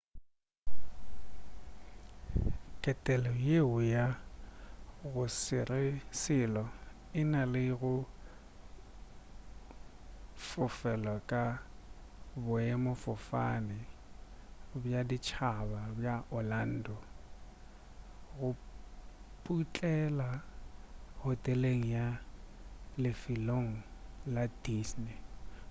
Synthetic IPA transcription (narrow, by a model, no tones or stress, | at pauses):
kʼɛtʼɛlɔjeʊja | ɣʊsɪrɪsɪlɔ | ɪnalɪɣʊ | fʊfɛlɔkʼa | bʊɛmɔfʊfa̰nɪ | bjadit͡ʃʰababjaʔɔlan̩ːdɔ | ɣʊ | pʼut͡ɬʼɛla | hʊtʼɛleŋ̩ja | lɪfɪloŋ̩ladisnɛ